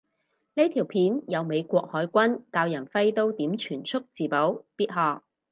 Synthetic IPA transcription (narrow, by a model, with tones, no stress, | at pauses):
ne˥jt̪ʰiː˨˩wpʰiː˨˥njɐ˨˧wme˨˧jkʷɔː˧k̚hɔː˨˥jkʷɐ˥nkaː˧wjɐ˨˩nfɐ˥jt̪o˥wt̪iː˨˥mt͡ʃʰyː˨˩nt͡sʰʊ˥k̚t͡siː˨po˨˥wpiː˥t̚ɦɔː˧k̚